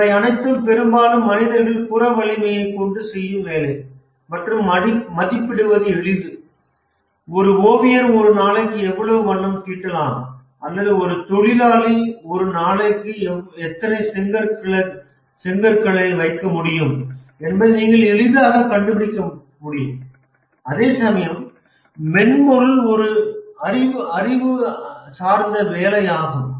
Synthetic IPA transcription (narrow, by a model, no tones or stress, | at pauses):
ɐɪɐnɐɪt̪ːɯmpɛɾɯmbaːlɯmːɐnɪðɐɾɣɐɭpʊrɐʋɐɭɪmɐjɐɪkːɔɳɖɯsɛjːɯʋeːlɐɪ | mɐʈrɯmɐmɐðɪpːɪɽɯʋɐðɯɛɭɪðɯ | ɔɾɯoːʋɪjɐɾɔɾɯnaːlɐkːɯɛʋːɐɭɐʋɯʋɐɳːɐmkiːʈːɐlãːm | ʔɐlːɐðɯɔɾɯt̪ɔɭɪlaːliɔɾɯnaːlɐkːɯɛt̪ːɐnɐɪsɛŋɡɐɾkɐɭɐ | sɛŋɡɐɾkɐɭɐɪʋɐɪkːɐmʊɽɪjɯmɛnbɐðɯniːŋɡɐɭɛlɯðaːɣɐkɐɳɖɯbɪɽɪkːɐ | mʊɽɪjɯm | ɐðeːsɐmɐjɐmː | ɛnmɔɾɯlɔɾɯɐɾɪʋɯɐɾɪʋɯsaːɾnd̪ɐʋeːlɐjaːɣɐ